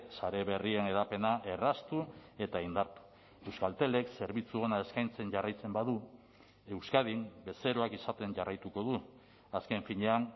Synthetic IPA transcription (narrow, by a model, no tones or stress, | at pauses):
saɾe̞βe̞rie̞ne̞ðape̞naʔe̞rast̪ue̞t̪aind̪aɾt̪u̥ | e̞wskalt̪e̞le̞kse̞ɾβit͡suo̞nae̞skajnt͡se̞ɲʝarajt͡se̞mbaðu | e̞wskaðimbe̞se̞ɾo̞akisat̪e̞ɲʝarajt̪uko̞ðu | aske̞ɱfiɲe̞an